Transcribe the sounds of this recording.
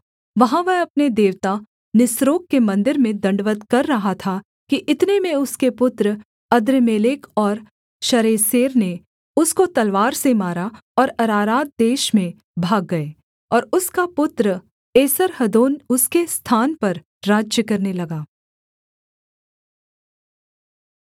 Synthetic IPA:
ʋɐɦãʋɛɦɐpned̪eːʋt̪a | nɪsɾoːkːemɐ̃nd̪ɪɾmẽd̪ɐ̃ɳɖʋət̪kɐɾːɐɦat̪ʰa | kiʔɪt̪nemẽʊskepʊt̪ɾə | ɐd̪ɾəmeːlekɔːɾ | ʃɐɾeːseːɾne | ʊskot̪ɐlʋaːɾsemaːɾaɔːɾɐɾaːɾaːt̪̚d̪eːʃmẽ | bʱaːɡːɐeː | ɔːɾʊskapʊt̪ɾə | eːsəɾɦɐd̪oːnʊskest̪ʰaːnpɐɾ | ɾaːd͡ʒjəkɐɾnelɐɡaː

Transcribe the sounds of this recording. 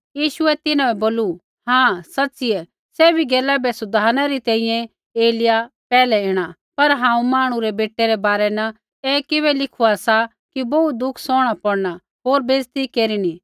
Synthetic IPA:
jiːʃʊɛt̪ɪnãɛboːlu | ɦãsɐtːsɪɛ | sɛːbʱiɡɛːlabɛsʊd̪ʱaːnaɾit̪ɛ̃ːĩjɛ̃ | eːlɪja | pɛːlɛeːɽ̃a | pɐɾɦãːũmaːɽ̃ũɾɛbeːʈːeɾɛbaːɾɛnɐ | ɛːkɪβɛlɪkʰuasa | kibout̪̚d̪ʊkʰsɔːɽ̃apɔɽna | ɦoːɾbeːzt̪ikeːɾini

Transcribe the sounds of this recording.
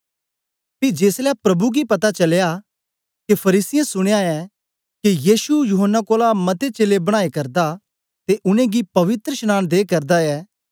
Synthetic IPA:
pid͡ʒeːslapɾɐbuɡipɐt̪at͡ʃɐlja | kepʰɐɾiːsɪjẽsʊɽ̃ejaɛ | kijiːsujʊɦənːakoːlamɐt̪et͡ʃeːlebɐɽ̃aːekɐɾd̪a | t̪eʔʊnẽɡipɐʋɪt̪ɾəʃñaːɽ̃d̪eːkɐɾd̪aɛː

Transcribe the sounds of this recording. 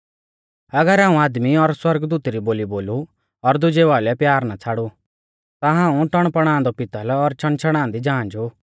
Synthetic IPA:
ɐɡəɾaːũaːd̪miɔɾswɐɾɡd̪uːt̪ɾiboːliboːlu | ɔɾd̪ʊd͡ʒeʋaːlɛpjaːɾnat͡sʰaːɽu | t̪aɦãːũʈɐɽ̃pɐɽ̃ãːnd̪ɔpɪt̪alɛɔɾt͡ʃʰɐɽ̃t͡ʃʰɐɽ̃ãːnd̪id͡ʒãːnd͡ʒoː

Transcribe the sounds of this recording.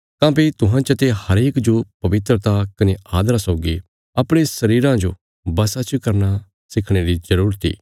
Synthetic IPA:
kãːpit̪ʊɦãt͡ʃɐt̪ehɐɾeːkd͡ʒopɐʋɪt̪ɾət̪akɐneaːd̪ɾasɔʊɡi | ɐpɽ̃esɐɾiːɾãd͡ʒo̰ | bɐsat͡ʃkɐɾna | sɪkʰɽ̃eɾizɐɾuːɾət̪ḭː

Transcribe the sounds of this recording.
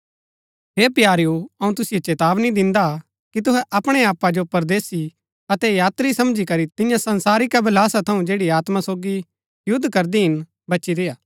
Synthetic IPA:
ɦeːpjaːɾjuɐũt̪ʊsɪjet͡ʃeːt̪aːʋnid̪ɪ̃nd̪a | kit̪ʊɦɛʔɐpɽ̃eaːpːad͡ʒopɐɾd̪eːsi | ɐt̪ɛjaːt̪ɾisɐmd͡ʒikɐɾit̪ɪ̃jãsɐnsaːɾikɛbʱɐlaːsat̪ʰɐũd͡ʒeːɽiaːt̪masoːɡi | jʊd̪ːkɐɾd̪iɦɪn | bɐːʃiɾeːjaː

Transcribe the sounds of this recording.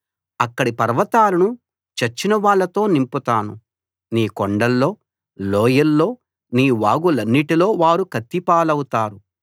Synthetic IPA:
ɐkːɐɽipɐɾʋɐt̪aːlɐnu | t͡ʃɐt͡ʃːinɐʋaːɭːɐt̪o̞ːnimput̪aːnu | niːkoɳɖɐlːo̞ː | loːjɐlːo̞ː | niːʋaːɡulɐnːiʈilo̞ːʋaːɾukɐt̪ːipaːlɐwut̪aːɾu

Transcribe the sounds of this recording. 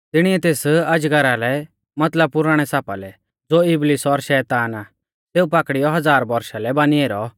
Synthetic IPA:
t̪ɪɽ̃iɛt̪eːsɐd͡ʒɡɐɾalɛ | mɐt̪ləb̚pʊɾaːɽ̃ɛsaːpa̰lɛ | d͡zoːɪblɪsɔɾʃɛːt̪aːnaː | t̪eːupaːkɽijɔɦɐd͡zaːɾbɔɾʃalɛbaːnieːɾɔ

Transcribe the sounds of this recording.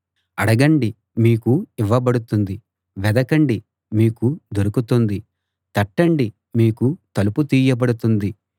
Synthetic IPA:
ɐɽɐɡɐɳɖi | miːkuiʋːɐbɐɽut̪und̪i | ʋɛd̪ɐkɐɳɖi | miːkud̪oɾukut̪und̪i | t̪ɐʈːɐɳɖi | miːkut̪ɐluput̪iːjɐbɐɽut̪und̪i

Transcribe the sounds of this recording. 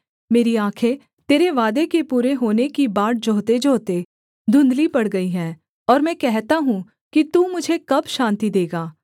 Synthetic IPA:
meːɾiãːkʰe | t̪eːɾeʋaːd̪ekepuːɾeɦoːnekibaːʈ̚d͡ʒoːt̪ed͡ʒoːt̪e | d̪ʱʊ̃nd̪lipɐɽɡɐiɦɛ̃ː | ɔːɾmɛ̃ːkɛɦt̪aɦũ | kit̪uːmʊd͡ʒʱekɐbʃãːnt̪id̪eːɡaː

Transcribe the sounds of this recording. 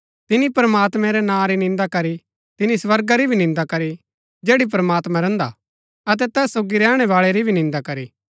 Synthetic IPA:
t̪ɪnipɐɾəmaːt̪mɛ̃ɾɛnãːɾinɪ̃nd̪akɐɾi | t̪ɪnisʋɐɾɡaɾibʱinɪ̃nd̪akɐɾi | d͡ʒeːɽip̬ɐɾəmaːt̪mãɾɛ̃ːnd̪a̰ | ɐt̪ɛt̪ɛːsːoːɡiɾɛːɽ̃ɛʋaːɭeɾibʱinɪ̃nd̪akɐɾi

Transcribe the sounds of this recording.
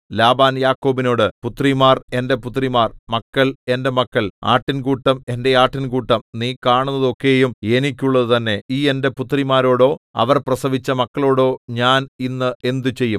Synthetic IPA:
laːbaːnjaːkːo̞ːbino̞ːɽɨput̪ːrimaːre̞nde̞put̪ːrimaːrmɐkːɐɭe̞nde̞mɐkːɐɭa̰ːʈːinkuːʈːɐme̞nde̞aːʈːinkuːʈːɐmniːkaːɳunːɐðo̞kːe̞ːjume̞nikʲːuɭːɐðɨt̪ɐnːe̞iːe̞nde̞put̪ːrimaːɾo̞ːɽo̞ːɐ̰ʋɐrprɐsɐʋit͡ɕːɐmɐkːɐɭo̞ːɽo̞ːɲaːninːɨʔe̞nd̪ut͡ɕe̞jːum

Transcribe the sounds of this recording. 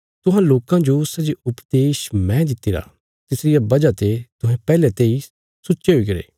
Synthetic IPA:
t̪ʊɦãloːkãd͡ʒosɐd͡ʒiʊpd̪eːʃmɛ̃d̪ɪt̪ːiɾa̰ | t̪ɪsɾɪjabɐd͡ʒat̪et̪ʊɦɛ̃pɛːlɛ̃t̪eːi | sʊt͡ʃeɦoiɡɐɾḛː

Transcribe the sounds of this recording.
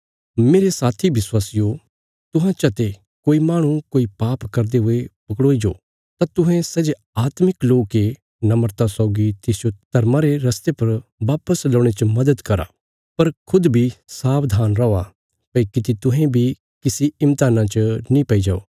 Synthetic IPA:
meːɾesaːt̪ʰiʋɪswaːsɪjo | t̪ʊɦãt͡ʃɐt̪e | koːimaːɽ̃ũkoːipaːpkɐɾd̪eɦʊepɐkɽoːid͡ʒo̰ː | t̪at̪ʊɦɛ̃sɐd͡ʒe | aːt̪mɪkloːkːe | nɐməɾt̪asɔːɡit̪ɪsd͡ʒot̪ɐɾmãɾeɾɐst̪epɐɾʋaːpəslɐːɽ̃et͡ʃəmɐd̪əd̪kɐɾa̰ː | pɐɾkʰʊd̪bʱisaːpd̪ʱaːnɾɐa | pɐikɪt̪it̪ʊɦẽbʱi | kɪsiɪmt̪aːnãt͡ʃənĩpɐid͡ʒaːo̰ː

